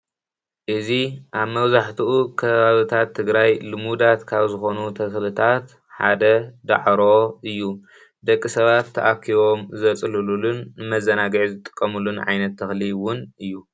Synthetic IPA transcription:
ʔɨziʔaβmɐβzaħt̪ʰuʔukʰɐβaβit̪ʰat̪ʰːɨɡɾajlɨmud̪at̪kʰaβzɨxo̞nut̪ʰɐxlɨt̪ʰat̪ | ħa̰d̪ɐd̪a̰ʕɾo̞ɨjːu | d̪ɐkʼːisɐβat̪ʰːɐʔakʰːiβo̞mzɐt͡sʼɨlululunmɐzɐnaɡʕzɨt̪ʼɨ̥kʼːɐmulunʕa̰jnɐt̪ʰːɐxliwʊnɨjːu

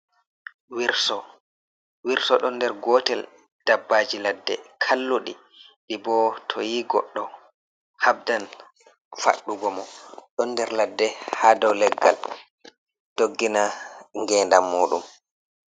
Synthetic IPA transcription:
wiɾsɔ | wiɾsɔɗɔndɛɾɡɔtɛl | d̥abːaːd͡ʒiladːɛ̰kʰalːuɗḭ | ɗibɔtʰɔjiɡɔ̰ɗːɔ | hab̚dan | fa̰ɗːuɡɔmɔɗɔnːdɛɾladːɛhaːdɔwlɛɡːa̰l | d̥oɡːinaŋɡɛːndamːoːɗṵm

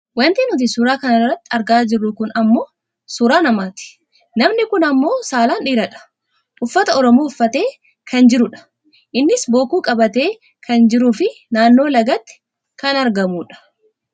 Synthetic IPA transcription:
wɐnt̪iːnʊt̪̬isʊɾaːkɐnɐrːɐt̪ːɪɐɾɡaːd͡ʒɪrːʊkʊnɐmːo̞ː | sʊɾaːnɐmaːt̪ɪ̥ | nɐmnɪkʊnɐmːo̞ːsaːlaːnᶑiːɾɐᶑɐ̥ | ʊfːɐt̪ɐɔɾɔmoːʊfːɐt̪e̞ː | kʰɐnd͡ʒɪɾʊᶑɐ̥ | ʔɪnːɪsbo̞ːkuːkʼɐbɐt̪e̞ː | kʰɐnd͡ʒɪɾuːfɪ | naːnːo̞ːlɐɡɐt̪ːɪ̥ | kɐnɐɾɡɐmuːᶑɐ̥

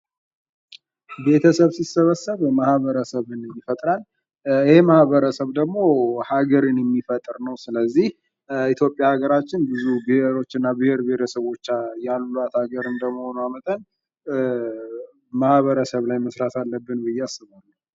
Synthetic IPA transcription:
be̞t̪ʰəsəβsisəβəsːəβmahβəɾəsəβɨnɛmːifət̪ʼɾal | ɪhe̞mahβəɾəsəβd̪əɡmo̞haɡəɾɨnjɛmːifət̪ʼɨɾnəwsɨləzːih | it̪ʰjo̞pʼjaaɡəɾat͡ʃːɪnbɨzubɨheɾo̞t͡ʃːɨnːabɨhe̞ɾbehet̪ʰəsəβo̞t͡ʃːajalːuat̪aɡəɾɨnd̪əməho̞namət̪ʼən | mahβəɾəsəβlajməsɾat̪ʰalːəbːɨnbɨjːɛasːɨβalːɨ

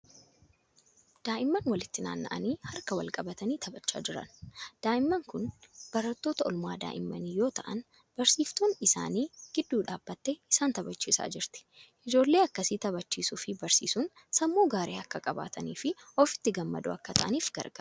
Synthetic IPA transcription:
d̪̥aːʔɪmːɐnwɐlɪt̪ːɪna̰ːnːɐ̰ʔɐniːhɐɾkɐwɐ̰lkʼɐbɐt̪ɐniːt̪ʰɐbɐt͡ʃːa̰ːd͡ʒɪɾɐ̰nd̪̥aːʔɪmːɐŋkʊnb̥ɐɾɐt̪ːoːt̪ɐɔlma̰ːd̪a̰ːʔɪ̰mːɐniːjo̞ːt̪ɐʔɐn | b̥ɐɾsiːft̪uːnɪsa̰ːniːɡ̥ɪd̪ːuːᶑaːbːɐt̪ːɛɪsaːnt̪ɐbɐt͡ʃːiːsa̰ːd͡ʒɪɾt̪ɪ̥ʔɪd͡ʒo̞ːlːeːɐkːɐsiːt̪ɐbɐt͡ʃːiːsʊfɪbɐɾsḭːsʊːn | sɐmːoːɡaːɾeːɐkːɐkʼɐba̰ːt̪ʰɐniːfɪʔɔfɪ̥t̪ːɪɡɐmːɐ̰d̪ʊ̰ɐ̰kːɐt̪ʰɐʔɐniːfɡɐ̰ɾɡɐ

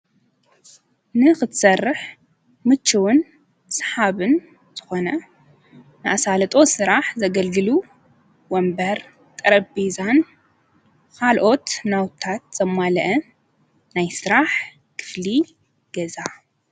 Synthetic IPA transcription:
nɨxɨt̪ʰsɐrːɨħ | mɨt͡ʃːɨwʊn | sħaβɨn | z̥ɨxo̞nɐ | nɨʔasalɐt̪ʼo̞sɨɾaħzɐɡɐlɡɨlu | wɔmbɐɾ | t̪ʼɐɾɐbezan | kʰalʔo̞t̪nawt̪ʰːat̪̚z̥ɐmalɐʔɐ | najsɨɾaħ | kʰɨ̥fli | ɡ̥ɐza

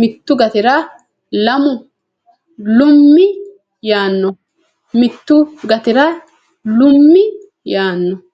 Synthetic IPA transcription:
mɪt̪ːʊɡɐt̪ɪɾaː | lɐmʊ | lʊmːɪ | jaːnːɔ | mɪt̪ːʊɡɐt̪ɪɾaː | lʊmːɪ | jaːnːɔ

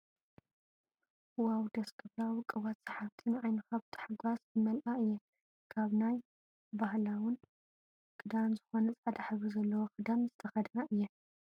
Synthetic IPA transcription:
wawd̪ɐskʰɨβɾawɨkʼɨwat̪sɐħaft̪ʰɨnʕajnɨxaβt̪ʰɨ̥ħaɡwasbɨmɐlʔaɨjːɛ | kʰaβnaj | bahlawʊn | kʼɨd̪amzɨxo̞nɐt͡sʼad̪aħβɨzɐlːɐwoxʼɨd̪amzɨt̪ʰɐxɐd̪naʔɨjːɛ

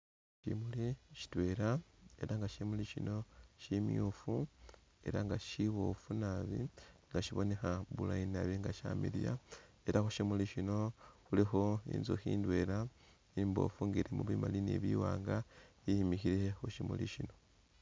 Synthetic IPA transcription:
ʃḭmuliʃi̥twe̞ɾae̞ɾaŋɡaʃimuliʃino̞ʃimjufu | e̞̰ɾaŋɡaʃiβo̞funaβiŋɡaʃiβo̞ne̞xaβulainaβiŋɡaʃa̰miɾija̰ | e̞ɾaxoʃimuliʃino̞xulixo̞ḭːnzoxiːndwe̞ːɾa | imbo̞̰fuŋɡiɾemuβwiːmalinḛβiwaːŋɡaihimixiɾe̞oʃimulḭʃino̞

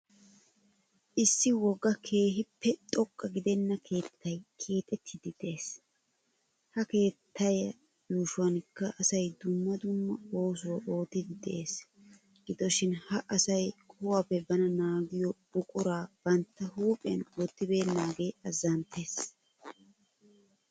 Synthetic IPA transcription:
ʔɪsːɪwɔɡːɐkʰe̞ːɦɪpːɛt̪ʼɔkʼːɐɡɪd̪ɛnːɐkʰe̞ːt̪ʰːɐjkʰe̞ːt̪ʼɛt̪ʰːɪd̪ɪd̪̥ɛʔe̞ːs | hɐke̞ːt̪ʰːɐjɐ | juːʃʊwɐnkːɐʔɐsɐjd̪ʊmːɐd̪ʊmːɐo̞ːs̬ʊwɐʔo̞ːt̪ːɪd̪ɪd̪ɛʔe̞ːs | ɡɪd̪ɔʃɪnhɐʔɐsɐjkʼʊwaːpːɛbɐnɐnaːɡɪjɔbʊkʼʊɾaːb̥ɐnt̪ːɐhuːpʼɪɐ̰nɔːt̪ːɪbe̞ːnːaːɡe̞ːɐzːɐnt̪ːeːs

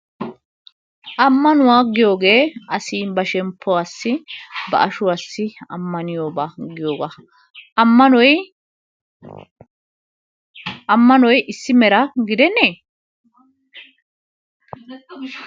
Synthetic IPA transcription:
ʔɐmːɐnʊwaːɡɪjo̞ːɡe̞ːʔɐsiːbɐʃɛmpʰːɔwaːsːɪbɐ̰ʔɐʃʊwaːsːɪɐmːɐnɪjoːbaːɡɪjo̞ːɡa | mːɐnɔj | ʔɐmːɐnɔjʔɪsːɪmɛɾɐɡɪd̪ɛnːeː

